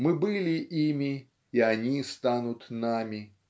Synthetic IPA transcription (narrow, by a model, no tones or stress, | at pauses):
mɨbɨlʲɪʔimʲɪ | iɐnʲist̪anʊt̪namʲɪ